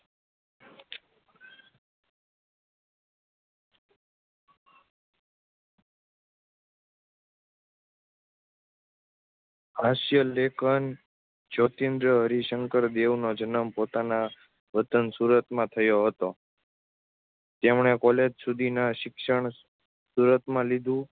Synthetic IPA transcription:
aʃjəlekʰən | d͡ʒot̪ẽnd̪ɾəɦəɾiʃəŋkəɾd̪eʋnod͡ʒənəmpot̪ana | ʋət̪ənsuɾət̪mãt̪ʰəjoɦət̪o | t̪emɳ̃ekɔled͡ʒsud̪ʱinaʃɪkʃəɳ̃ | suɾət̪mãlid̪ʱũ

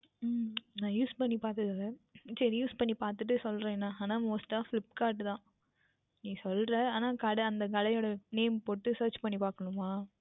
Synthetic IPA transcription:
mnãːjuːspɐɳːipaːɾt̪ɯðɐlːɐt͡ʃɐɾijuːspɐɳːipaːɾt̪ɯʈːɯsɔlɾẽnːaːaːnãːmoːsʈaːflɪpːkaːɾʈːɯt̪ãː | nĩːsɔlɾɛ̃aːnaːkɐɽɐɐnd̪ɐkɐlɐjoːɽɐneːmpoːʈːɯsɐːɾt͡ʃpɐɳːipaːɾkɐɳɯmaː

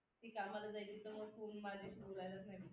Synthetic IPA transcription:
t̪iːkamalad͡zajt͡ɕiːt̪əɾməɡfʰoːnmad̪ʱeɕibolajlat͡snaj

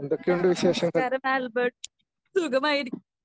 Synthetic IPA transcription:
end̪okːeuɳɖɨʋiɕe̞ːʂɐŋɐɐɾɐmaːlbɐɖ̚ | suɡɐmaːjiɾikʲː

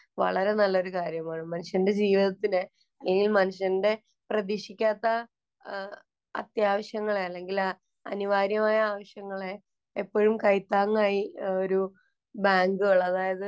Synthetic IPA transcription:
ʋɐ̰ɭɐɾe̞nɐlːɐo̞ɾukaːɾjɐmaːɳɨmɐnuʂjɐnnde̞d͡ʑiːʋiðɐt̪ːinɨ | ɐlːeŋɡilmɐnuʂjɐnnde̞ | prɐðiʂikʲːaːt̪ːɐ | ɐ̰t̪jaːʋɐɕjɐŋːɐɭeɐlːe̞ŋɡil | ɐ̰niʋaːɾjɐmaːjɐaːʋɐɕjɐŋːɐɭe̞ | epːo̞ːɻumkɐjt̪ːaːŋːaːjio̞ɾu | baːŋɡɨɐɭɐðaːjɐðɨ

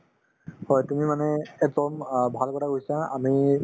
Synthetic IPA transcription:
hɔjtumimanɛɛk̚dɔmbʱalkɔtʰakosãami

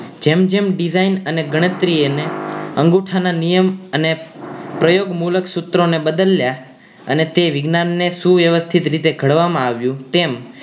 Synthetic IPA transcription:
d͡ʒemd͡ʒemɖizainəneɡəɽ̃ət̪ɾieneə̃ŋɡuʈʰananijəmənepɾəjoɡmuləksut̪ɾonebəd̪əlja | ə̰net̪eʋɪɡnanːesuʋjəʋəst̪ʰit̪ɾit̪eɡʱəɽʋamãaʋjũt̪em

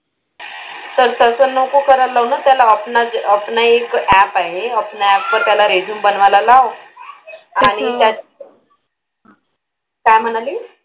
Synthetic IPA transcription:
səɾt̪əsənːokukəɾalaʋnat̪jalaəpɳad͡zəpɳaekæpaɦeəpnaɛpːəɾt̪jalaɾed͡ʑuːmbənʋalalaʋ | aɽ̃it̪ja | kajm̤əɽ̃aliː

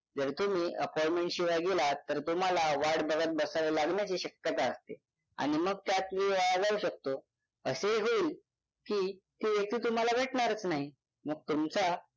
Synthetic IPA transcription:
d͡zəɾt̪um̤iːʔəpɔjmẽɳʈɕiʋajɡelat̪əɾt̪um̤alaʋaɽbəɡət̪̚bəsalelaɡɳjat͡ɕiɕəkjət̪aəst̪e | a̰ɽ̃iməɡ̚t̪jat̪ʋeʋaɭad͡zauɕək̚t̪o | əseɦoːl | kiːt̪iːʋjək̚t̪iːt̪um̤alabʱeʈɳaɾət͡snaɦi | məɡ̚t̪umt͡sa

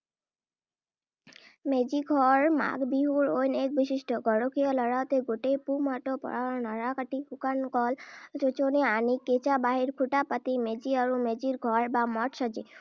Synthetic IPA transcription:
med͡ʑiɡʱɔɾma̰ɡbiɦuɾojnek̚biʃiʃʈoɡɔɽokʰijɔlɔɽawt̪eɡoʈepumaʈopɔ̰ɽanɔɾakaʈihukankɔld͡ʒot͡ʃoneanikːet͡ɕabaɦiɾkʰuʈapat̪imed͡ʑiaɾumed͡ʑiɾɡʱɔɾbamɔʈʃɔd͡ʒe

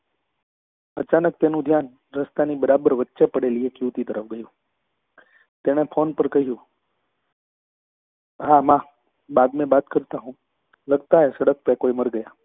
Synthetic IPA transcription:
ət͡ʃanək̚t̪enũd̪ʱjan | ɾəst̪anibəɾabəɾʋətːʃepəɽeliekjuʋt̪it̪əɾəfɡəjũ | t̪eɽ̃epʰonpəɾkəɦijũ | ɦamã | bad̪mẽbat̪kəɾt̪aɦũ | ləɡt̪aɦesəɽək̚pekoiməɾɡəja

